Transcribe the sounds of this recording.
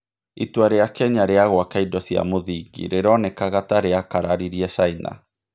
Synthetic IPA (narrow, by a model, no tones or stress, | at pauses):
itwaɾeakɛɲaɾeaɣwakaidɔsia̰moðiɡḭɾeɾɔnɛkaɣataɾeakaɾaɾiɾiaʃaina̰